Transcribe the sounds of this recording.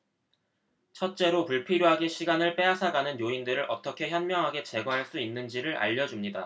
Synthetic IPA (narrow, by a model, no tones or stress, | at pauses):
t͡ɕʰʌt̚t͡ɕ͈e̞ɾopuɭpʰiɾjoɦaɡeɕʰiɡanɯɭp͈e̞asʰaɡanɯnjoindɯɾɯɭʔʌt͈ʌkʰe̞çjʌnmjʌŋɦaɡe̞t͡ɕe̞ɡwaɦaɭs͈uinːɯnd͡ʑiɾɯɾʔa̰ʎːʌd͡ʑumɲida